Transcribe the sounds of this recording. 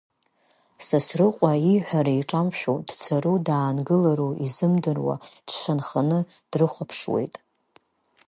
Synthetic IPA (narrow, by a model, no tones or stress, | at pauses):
sasrɨqʷʼaiħʷᶣaɾaiʈ͡ʂʼamʃʲᶣod̥t͡sʰaɾudaːnɡɨlaɾoizɨmdɨrwa̰ʈ͡ʂʰʂanχanɨ | d̥rɨχʷapʰʂwe̞̰jtʼ